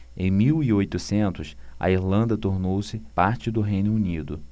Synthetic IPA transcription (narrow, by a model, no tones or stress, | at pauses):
ẽj̃miwiojt̪ʊsẽnt̪ʊsɐ̰iɾlɐ̃nd̪ɐt̪oɾnowsɪpaɾt͡ʃɪd̪ʊɦẽj̃nʊunid̪ʊ